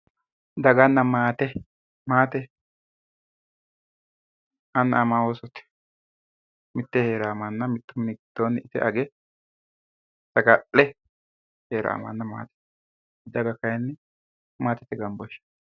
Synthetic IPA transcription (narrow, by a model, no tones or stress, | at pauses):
d̪ɐɡɐnːɐmaːt̪ɛ | maːt̪ɛ | ɐnːɐɐmawosɔt̪ɛ̥ | mɪt̪ːɛheːɾaːmɐnːɐmɪt̪ːʊmɪɡd̪̥onɪt̪ɛ̰ʔɐɡɛ | t̪ɐɡɐʔɛ | heːɾa̰ːmɐ̰nːɐma̰ːt̪ɛ̥ | d̪ɐɡɐkɐjɛnːɛ | maːt̪ɛt̪ːɛɡɐmbɔʃːɐ̥